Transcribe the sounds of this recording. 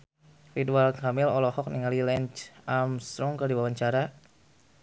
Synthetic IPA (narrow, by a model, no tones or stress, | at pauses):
ɾitualkamɪlɔlɔhɔk̚niŋalilɛnt͡ʃamst̪ɾɔŋkərdiwawaɲt͡ʃaɾa